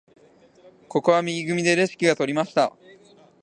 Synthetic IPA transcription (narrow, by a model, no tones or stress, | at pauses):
ko̞ko̞β̞amʲiɡʲiɡɯ̟mʲid̪e̞ɾe̞ɕi̥kʲiɡat̪o̞ɾʲimaɕi̥t̪a